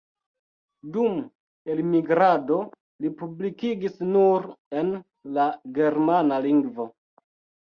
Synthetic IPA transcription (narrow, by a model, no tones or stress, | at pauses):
dum | elmiɡɾado̞ | lipublikiɡisnuɾe̞n | laɡe̞ɾmanaliŋɡvo̞